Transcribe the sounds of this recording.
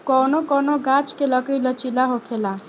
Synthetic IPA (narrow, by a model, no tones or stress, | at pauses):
kɔnokɔnoɡat͡ʃkeləkɽilət͡ʃilaɦokʰela